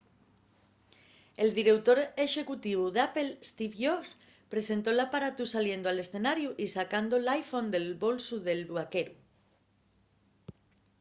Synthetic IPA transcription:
eld̪iɾewt̪oɾeʃe̞kut̪iβ̞uðapelst̪ifʝos | pɾesẽnt̪olapaɾat̪usaljend̪oalesθenaɾjuʔisakand̪olajfõnd̪elβolsuðelβwakeɾu

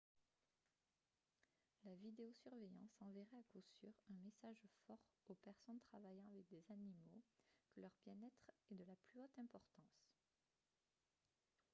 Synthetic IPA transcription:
lavid̪eosyʁvejɑ̃sɑ̃veʁɛakosy̰ʁɛ̃mesaʒfɔʁopɛʁsɔnt̪χavajɑ̃avɛk̚d̪ezanimokəlœʁbjɛ̃nɛt̪χɛd̪əlaplyot̪ɛ̃pɔʁt̪ɑ̃s

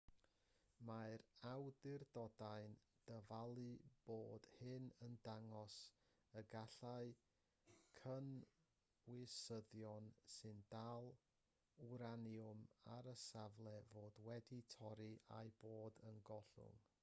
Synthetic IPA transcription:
maɨɾawdɪrdɔdaɨn | d̥əvalˠɨb̥oːd̥hɨnəndaŋɔs | əɡaɬaɨ | kʰən | wɪsəðjɔnsɨndalˠ | uɾanjʊma̰ɾəsavlˠɛvoːdwɛditʰɔɾiʔa̰jboːdənɡɔɬʊ̰ŋ

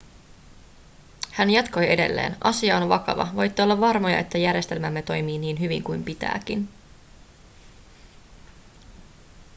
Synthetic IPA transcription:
hænjɑt̪ko̞jʔe̞de̞̰lːe̞̰ːnʔɑ̰siɑonʋɑkɑ̰ʋɑ̰ʋojt̪ːeolːɑʋʋɑrmo̞jɑ̰ʔe̞t̪ːæjæɾje̞st̪e̞lmæmːe̞t̪o̞jmiːniːnɦyʋḭŋkujmpit̪æ̰ːk̟in

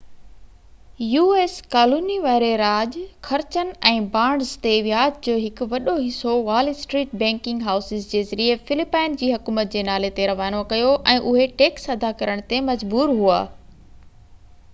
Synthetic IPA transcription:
juːeːskaːluːniʋaːɪɾeɾaːʄkʰɐɾt͡ɕənɛ̃ːbãːɳɖzt̪eʋjaːd͡ʑd͡ʑoːɦɪkʊ̆ʋɐɗoɦɪsoʋaːlɪsʈɾiːʈ̚bɛ̃ːŋkɪ̃ŋɡɦaːʊsɪzd͡ʑeːzɐɾiefɪlɪpaːɪnd͡ʑiːɦɐkuːmət̪̚d͡ʑeːnaːlet̪eɾɐʋaːnokɐjoʔɛ̃ːʔʊɦeʈeːksɐd̪ʱakɐɾəɽ̃t̪emɐd͡ʑbuːɾɦua̰ː

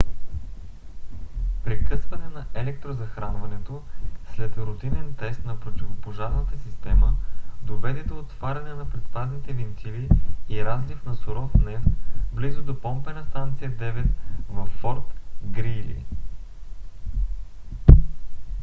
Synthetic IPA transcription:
pɾɛkɤsvɐnɛnɐɛlɛk̚t̪ɾozɐxɾanvɐnɛt̪oslɛt̪ɾot̪inɛnt̪ɛst̪nɐpɾot̪ivopoʒaɾnət̪əsist̪ɛməd̪ovɛd̪ɛd̪oːt̪v̥aɾʲɐnɛnɐpɾɛt̪st̪ad̪nit̪ɛvint̪ʰiliːɾazlifnɐsʊɾɔfnɛft̪blizʊd̪opɔmpɛnɐst̪ant̪sijəd̪ɛvɛt̪vɐfːɔɾt̪ɡɾilḭ

